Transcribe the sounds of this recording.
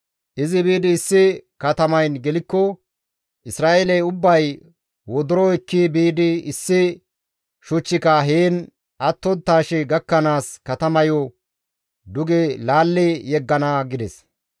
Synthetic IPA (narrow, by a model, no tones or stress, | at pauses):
ʔɪzɪbiːd̪ɪːsːɪkɐt̪ɐmɐjnɡɛlɪkːɔ | ʔɪsɾaːʔelɛjʊbːɐj | wɔd̪ʊɾɔɪkːibiːd̪ɪɪsːɪ | ʃʊt͡ʃːɪkɐɦeːn | ʔɐt̪ːɔnt̪ːaːʃɛɡɐkːɐnaːskɐt̪ɐmɐjɔ | d̪ʊɡɛlaːlːɛjɛɡːɐnaɡɪd̪ɛs